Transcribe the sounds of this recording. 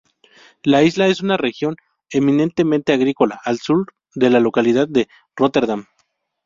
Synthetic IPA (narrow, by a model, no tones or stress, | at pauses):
laizlae̞sunare̞xjo̞n | emĩnẽ̞nt̪e̞mẽnt̪e̞aɣɾiko̞laʔːlsuɾ | ðe̞lalo̞kalið̞aðːe | rot̪e̞ɾðam